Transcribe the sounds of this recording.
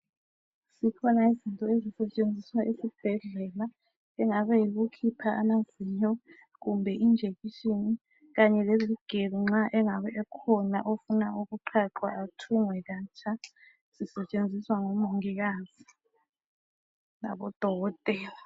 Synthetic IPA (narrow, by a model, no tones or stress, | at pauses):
sikʰɔnaizintʼɔezisɛt͡ʃʼend͡zʱiswaʔisib̥ʱɛɮɛla | ɛŋaβɛjiɣukʰipʰaamazʱiɲɔ | ɣumbʱɛʔind͡ʒʱeɣiʃini | ɣaɲɛleziɡ̥ʱeβiŋ͡ǁaʔɛŋaβɛʔɛkʰɔnaʔofunauɣuǃʰaǃwaatʰuŋwɛɣat͡ʃʰʼa | z̥isɛt͡ʃʼend͡zʱiswaŋɔmoŋiɣaːz̥i | na̰βɔd̥ʱɔɔtʼɛ